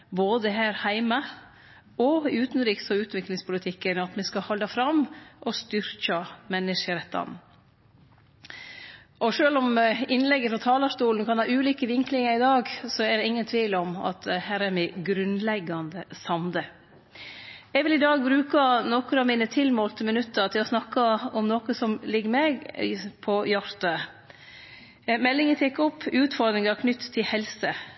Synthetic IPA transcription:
boːd̪əɦæːɾhæɪmɑ | ɔɪʉːt̪n̩ɾiːksɔʉːt̪ʋɪklɪŋspʊlɪt̪ʰɪkːənɑt̪mɛskɑhɑld̪ɑfɾɑmʔɔst̪ʏɾkɑmɛnːɪʂəɾɛt̪ːɑ̰n | ʔɔʂøːlɔmɪnlɛɡːəfɾɑt̪ʰɑːlɑʂt̪uːln̩kʰɑnhɑːʉːliːkəʋɪŋklɪŋɑɾɪd̪ɑːɡsɔɛɖ̪ɛɪŋːənt̪ʰʋiːlɔmɑ̰t̪ɛhæːɾæɾmæɡɾʉnlɛɡːɑnd̪əsɑmd̪ə | ɛɡʋɪlɪd̪ɑːɡ̚bɾʉːkɑnɔkɾɑmɪːnət̪ʰɪlmoːlt̪ʰəmənʉt̪ːəɾt̪ʰɪlɔsnɑkːɑɔmnɔːkəsɔmlɪɡːəɾmeːɡpʰɔjɑɾt̪ɑ | mɛlːɪŋət̪ʰɛkːɔpːʉːt̪fɔɾd̪ɾɪŋɑkʰnʏt̪ːt̪ʰːɪlhɛlsə

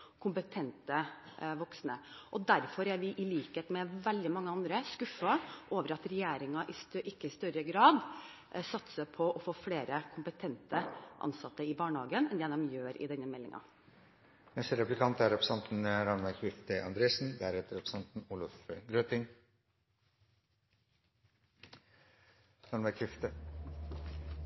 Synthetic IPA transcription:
kʰʊmpət̪ʰɛnt̪əʋɔksnəʔɔd̪æɾfɔɾæɾʋɪʔɪliːkheːt̪mɛʋɛld̪ɪmɑŋːəɑnd̪ɾəskʉfɑʔoːʋəɾɑt̪ɾɛjeːɾɪŋɑʔɪst̪ʔɪkːəɪst̪œɾəɡɾɑːd̪ | sɑt̪səpʰɔʔɔfoːfleːɾəkʰʊmpət̪ʰɛnt̪əʔɑ̰nsɑt̪ːəɪbɑːɳəhɑːɡənɛnd̪ɛːd̪ɛmjøːɾʔɪ̰d̪ɛnːəmɛlːɪ̰ŋʔɑ̰ | nɛst̪əɾɛplɪkʰɑnt̪æɾɛpɾəsɑnt̪n̩ɾɑnmækʰʋɪft̪əʔɑ̰nd̪ɾeːsn̩d̪æɾɛt̪əɾɛpɾə̥sɑnt̪n̩uːlɑfɡɾøt̪ɪŋ | ɾɑnmæɾkʰɪft̪ə

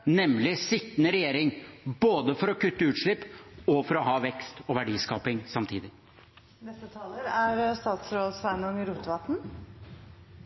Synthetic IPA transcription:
nɛmlɪsɪt̪ːənəɾɛjeːɾɪŋboːd̪əfɔɾɔkʰʉt̪ːəʉːt̪ʂɭɪpːɔfɔɾɔɦɑːʋɛkst̪ɔʋæɖiːskɑːpɪŋsɑmt̪ʰḭːd̪ɪ | nɛst̪ət̪ʰɑːləɾæɾst̪ɑːt̪sɾoːd̪sʋænɔŋəɾuːt̪əʋɑt̪n̩

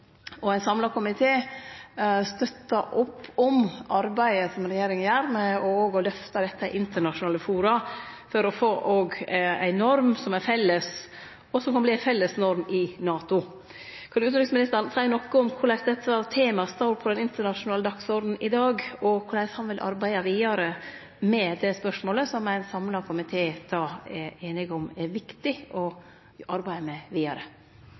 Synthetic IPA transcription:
ɔæɪnsɑmlɑkʰʊmɪt̪ʰeː | st̪œt̪ːɑʔʊpːɔmʔɑɾbæɪəsɔmɾɛjeːɾɪŋənjæːɾmɛɔoːɡɔlœft̪ɑd̪ɛt̪ːəɛʔɪnt̪əɳɑʃʊnɑːləfuːɾɑfɔɾɔfoːʔoːɡæ̰ɪnɔɾmsɔmæɾfɛlːəs | ɔsɔmkʰɑnbliːæɪfɛlːəsnɔɾmɪnɑːt̪ʊ | kʰɑnd̪ʉʉːd̪ɾɪŋsmɪnɪst̪əɾnsʰæənɔkːəɔmkʰʊɾɭæsd̪ɛt̪ːəɑʋt̪ʰeːmɑst̪ɑɾpʰɔd̪ɛnɪnt̪əɳɑʂʊnɑːləd̪ɑksɔɾd̪n̩ɪd̪ɑːɡɔkʰʊɾɭæɪshɑnʋɪlʔɑ̰ɾbæɪɑʋiːɑɾə | mɛd̪ɛspœʂmoːləsɔmæɪnsɑmlɑɾkʰʊmɪt̪ʰeːd̪̥ɑːɛɾeːnɪɡɔmæɾʋɪkt̪ɪɔ | ʔɑɾbæɪmɛʋiːɑɾə

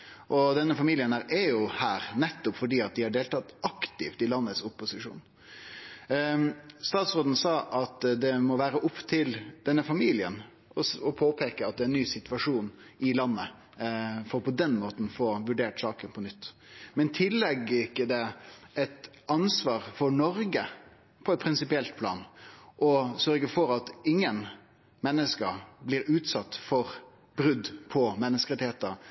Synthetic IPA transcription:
ʔɔd̪ɛnːəfɑmiːlɪənæːɾɛjʊhæːɾnɛt̪ːʊpfɔɖiːɑt̪̚d̪ɪhɑɖeːlt̪ɑt̪ɑkt̪ɪft̪ɪlɑnːət̪sʊpːʊsɪʂṵːn | st̪ɑːt̪sʁoːd̪n̩sɑːʔɑt̪d̪ɛmɔʋæːɾəʔʊpːt̪ʰɪld̪̥ɛnːəfɑmiːlɪə̰n | ɔɔpʰoːpʰeːkəɑt̪̚d̪ɛæɛnyːsɪt̪ʋɑʂuːnɪlɑnːə | fɔɾɔpʰɔd̪ɛnmoːt̪n̩foːʋʉɖeːʈsɑːkənpʰɔnʏt̪ː | mɛnt̪ʰɪlːɛɡːəɾɪkːəd̪ɛɛt̪ | ɑnsʋɑːɾfɔɾɳɔɾɡə | pʰɔɛt̪̚pʰɾɪnsɪpɪɛlt̪̚pʰlɑ̰ːnʔɔsœɾɡəfɔɾɑt̪ɪŋːən | mɛnːəskəblɪːɾʉːt̪sɑt̪ːfɔɾ | bɾʉd̪ːpʰɔmɛnːəskəɾɛt̪ɪheːt̪əɾ

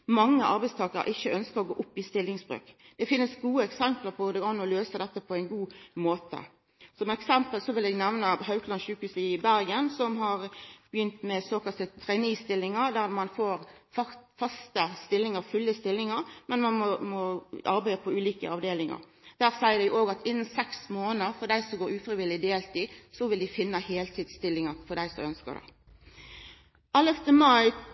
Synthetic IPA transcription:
mɑŋːəʔɑɾbæɪst̪ʰɑːkəɾə̰ʔɪçːəœnskəʁɔɡoːʔʊpːɪst̪ɪlːɪŋsbʁø̰ːkd̪̥ɛfɪnːəsɡuːəɛksɛmpləʁpʰɔd̪ɛɡɑnːɔløːsəd̪ɛt̪ːəpʰɔæɪnɡuːmoːt̪ə̰ | sɔmɛksɛmpəlsɔʋɪlɛːɡnɛʋnɑɦɑʉkʰlɑnɕʉːkhʉːsɪbæɾɡənsɔmɦɑʁb̥əjʏnt̪mɛsoːkɑlt̪ət̪ʰʁɛnist̪ɪlːɪŋəɾd̪æʁmɑnfoːɾfɑfɑst̪əst̪ɪlːɪŋəɾfʉlːəst̪ɪlːɪŋəɾmɛnmɑmɔmɔɑɾbæɪəpʰɔʉːliːkə̰ɑʋd̪eːlɪŋɑ̰ɾ | d̪̥æːʁsæɪəd̪æɪʔoːɡɑt̪ɪnːənsɛksmoːnəɾfɔd̪æɪsɔɡoːɾʉːfɾɪʋɪlɪd̪eːlt̪isɔʋɪld̪ɪfɪnːəheːlt̪ʰiːd̪st̪ɪlːɪŋɑɾfɔd̪æɪsɔ̰œnskə̰d̪æ̰ɪ | ɑləft̪əmɑɪ

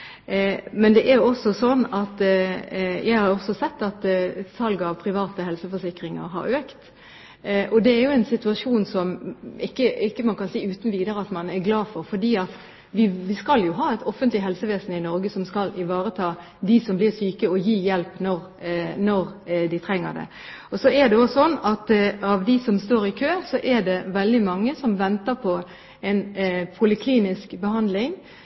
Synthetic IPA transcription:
mɛnd̪ɛʔæɾjʊɔsːɔsɔnːɑt̪ | jæɪhɑɾɔsɔsɛt̪ːɑt̪sɑlɡəɑʋpʰɾɪʋɑːt̪əhɛlsəfɔʂɪkɾɪŋə̰ɾɦɑ̰ɾøːkt̪ | ʔɔd̪ɛæɾjʊɛnsɪt̪ʉɑʂuːnsɔmɪkːəɪkːəmɑnkʰɑnsiːʉːt̪n̩ʋiːd̪əɾəɑt̪mɑnæɾɡlɑːfɔɾfɔd̪iːɑt̪ | ʋɪʋɪskɑljʊɦɑːɛt̪ʰɔfənt̪lɪɦɛlsəʋeːsnɪnɔɾɡəsɔmskɑlɪʋɑːɾət̪ʰɑː | d̪ɪsɔmblɪʁsyːkəɔjiːjɛlpnɔʁ | nɔɾd̪ɪt̪ʰʁɛŋːə̰d̪ɛ̰ | ɔsɔɛd̪ɛɔsɔnːɑt̪ɑʋd̪ɪsɔmst̪oːɾɪkʰøːsɔʔɛɖɛʋɛld̪ɪmɑŋːəsɔmʋɛnt̪əɾpʰɔ | ɛnpʰʊlɪkʰliːnɪskbəɦɑnd̪lɪŋ

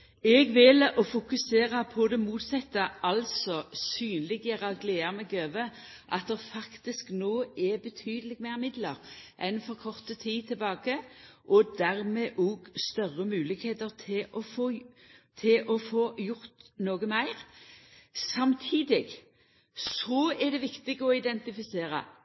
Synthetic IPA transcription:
ɛɡʋɪlɔfʊkʉseːʁəpʰɔd̪ɛmuːt̪sɛt̪ːəʔɑlsɔsyːnlɪɡjəʁɑɡleːɑʁmɛɡøːʋə | ʔɑt̪̚d̪ɛʁfɑkt̪ɪsknoːɛbət̪ʰyːd̪əlɪɡmæɪʁmɪd̪ləʁʔɛnfɔʁkʰɔʁt̪ət̪ʰiːt̪ʰɪlbɑːɡəʔɔd̪æʁmɛʔɔːɡst̪œʁːəmʉːlɪkheːt̪əʁt̪ʰɪʔɔfoː | t̪ʰɪʔɔfoːjʊɾt̪noːɡəmæɪʁ | sɑmt̪ʰiːd̪ɪɡ | sɔɛd̪ɛʋɪkt̪ɪɡəɔɪd̪ɛnt̪ɪfɪseːɾə̰

